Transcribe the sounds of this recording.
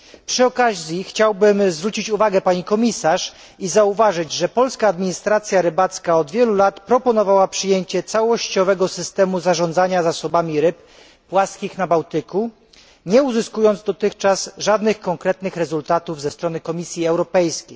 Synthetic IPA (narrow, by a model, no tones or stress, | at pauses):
pʂɘɔkazʲixt͡ɕawbɘmzvɾut͡ɕit͡ɕuvaɡɛpaɲikɔmʲisaʂ | izauvaʐɘd͡ʑʐɛpɔlskaːd̪mʲiɲist̪ɾat̪sʲjaɾɘbat̪skaɔd̪vʲjɛlulat̪pɾɔpɔnɔvawapʂɘjeɲt͡ɕɛt̪sawɔɕt͡ɕɔvɛɡɔsɘst̪ɛmuzaʐɔnd̪zaɲazasɔbamʲiɾɘpː | waskʲixnabawt̪ɘku | ɲɛuzɘskujɔnd̪zd̪ɔt̪ɘxt͡ʂasʐad̪nɘxkɔŋkɾɛt̪nɘxɾɛzult̪at̪uvzɛst̪ɾɔnɘkɔmʲisʲjiɛwɾɔpɛjskʲej